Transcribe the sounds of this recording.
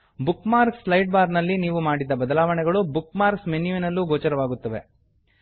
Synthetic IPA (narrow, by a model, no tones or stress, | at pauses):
bukmaːɾkslɐjʈ̚baːɾnɐlːiniːʋumaːɽid̪ːɐbɐd̪ɐlaːʋɐɳɛɡɐɭubukmaːɾksmenjuinɐlːuɡoːt͡ʃɐɾɐʋaːɡut̪ːɐʋe̞̰